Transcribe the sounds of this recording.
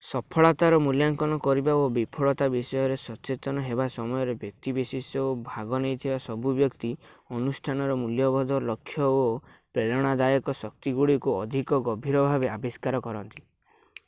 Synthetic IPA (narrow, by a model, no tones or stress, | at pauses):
sɔpʰɔɭɔt̪aɾɔmuljaŋkɔnɔkɔɾibaobipʰɔɭɔt̪abisɔjɔɾesɔt͡ʃet̪ɔnɔɦebasɔmɔjɔɾebjɔk̚t̪ibesisɔobʱaɡɔnejt̪ʰibasɔbubjɔkt̪iɔnusʈʰanɔɾɔmuljɔbɔd̪ʱɔlɔkʰːjɔo | pɾeɾɔɽ̃ad̪ajɔkɔsɔk̚t̪iɡuɭikuɔd̪ʱikɔɡɔbʱiɾɔbʱabeabiskaɾɔkɔɾɔnt̪i̥